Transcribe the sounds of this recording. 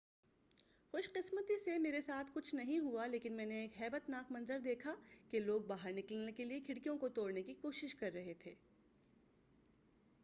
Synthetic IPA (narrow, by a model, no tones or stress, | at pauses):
xʊʃqɪsmət̪isemeːɾesaːt̪ʰkʊt͡ʃʰnɐɦĩɦualeːkɪnmɛ̃ːneːkɦɛːbət̪naːkmɐ̃nzəɾd̪eːkʰakeloːɡ̚baːɦəɾnɪkəlnekeliekʰɪɽkijõkot̪oːɽnekikoːʃɪʃkɐɾːɐɦet̪ʰeː